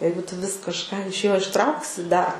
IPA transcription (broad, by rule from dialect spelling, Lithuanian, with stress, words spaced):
ˈjɛɪɡʊ ˈtʊ ʋʲɪs kɐʃˈkɑː ɪʃ ˈjoː ɪʃˈtrɐʊksʲɪ ˈdɐr